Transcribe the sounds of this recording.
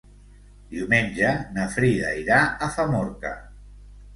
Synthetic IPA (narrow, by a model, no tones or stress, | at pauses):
d̪iwmenʲd͡ʒənəfɾiðə̰iɾaəfamoɾkə̰